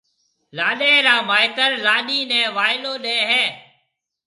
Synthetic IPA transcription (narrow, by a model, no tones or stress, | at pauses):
laːɗẽːɾãːmaːɪt̪əɾlaːɗiːnɛ̃ːʋaːɪloːɗẽːɦɛ̃ː